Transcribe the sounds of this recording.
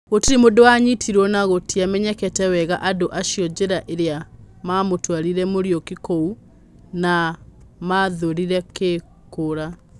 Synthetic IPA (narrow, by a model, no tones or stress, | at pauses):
ɣotiɾimodowaɲitʰiɾɔnaɣotiamɛɲɛkɛtɛwɛɣaʔadoʔaʃjɔd͡ʑeɾaʔeɾea | mamotwaɾiɾɛmoɾjɔkikou | namaðoɾiɾɛke | koɾa